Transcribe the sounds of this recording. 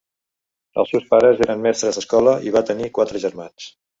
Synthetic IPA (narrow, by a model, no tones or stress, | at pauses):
ə̰lˠsewspaɾəzeɾənmɛst̪ɾəzəskɔləʔiβat̪ənikwat̪ɾəʒəɾmans